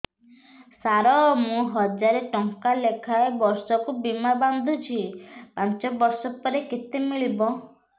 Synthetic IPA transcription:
saɾɔmũɦɔd͡ʒaɾeʈɔŋkalekʰaebɔɾsɔkubimaband̪ʱut͡ʃʰipãnt͡ʃɔbɔɾsɔpɔɾekit̪emiɭibɔ

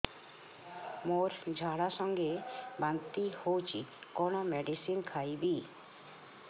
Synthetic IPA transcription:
moɾd͡ʒʱaɽasɔŋɡebant̪ihowt͡ʃʰikɔñɔmɛɖisinkʰajbi

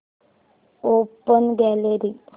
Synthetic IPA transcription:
opənɡɛleɾi

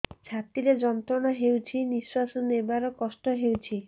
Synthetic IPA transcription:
t͡ʃʰat̪iɾed͡ʒɔnt̪ɾɔɽ̃ɔɦewt͡ʃʰiniswasɔnebaɾɔkɔsʈɔɦewt͡ʃʰi

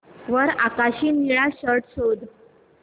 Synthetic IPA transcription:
ʋəɾakaɕiːniɭaɕəɾʈɕod̪

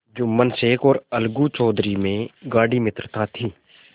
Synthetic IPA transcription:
d͡ʒʊmːənseːkɔːɾəlɡut͡ʃɔːd̪ɾimẽɡaːɽimɪt̪ɾt̪at̪ʰiː

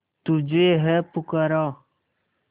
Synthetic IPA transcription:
t̪ud͡ʒeːɦɛpʊkəɾãː

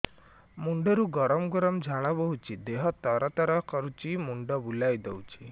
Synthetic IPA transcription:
muɳɖeɾuɡɔɾɔmɡɔɾɔmd͡ʒʱaɭ̃ɔbɔɦut͡ʃʰid̪eɦɔt̪ɔɾɔt̪ɔɾɔkɔɾut͡ʃimuɳɖɔbulajd̪ɔwt͡ʃʰi̥

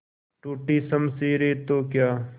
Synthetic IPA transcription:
ʈuːʈiːsɐmsiːɾeːt̪oːkjaː

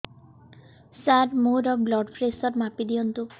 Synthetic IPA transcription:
saɾmoɾɔblɔɖpʰɾesɔɾmapid̪ijɔnt̪u

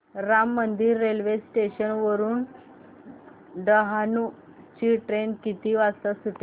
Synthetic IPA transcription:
ɾamːənd̪iːɾːelʋesʈeɕənʋəɾuːn | ɖəɦanu | t͡ɕiːʈɾenkit̪iːʋast̪asuʈ̪e

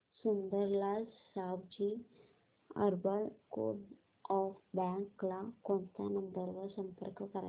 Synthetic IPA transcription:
sund̪əɾlasabd͡ʑiː | ə̰ɾbəɭko̰ɖ | ɔfbɛ̃ŋklakõɳt̪anənd̪əɾʋəsəmpə̰ɾkkəɾa

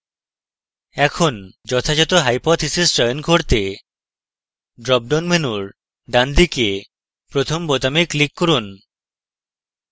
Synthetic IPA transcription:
ɛkʰond͡ʑɔt̪ʰad͡ʑɔt̪oɦajpɔt̪ʰisesʈɾɔjonkoɾt̪e | ɖɾɔb̚ɖonmenuɾ | ɖand̪ike | pɾot̪ʰombɔt̪ameklikːɔɾun

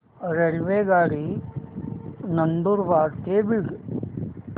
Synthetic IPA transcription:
ɾeɭʋeːɡaːɽi | nɐnɖ̪uɾʋaːɾt̪eːbiɡ

